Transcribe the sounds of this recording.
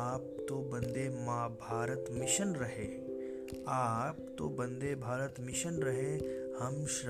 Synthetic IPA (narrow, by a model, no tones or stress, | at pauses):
aːp̚t̪obɐ̃nd̪emãːbʱaːɾət̪mɪʃənɾɐɦeː | aːp̚t̪obɐ̃nd̪ebʱaːɾət̪mɪʃənɾɐɦe | hɐmʃ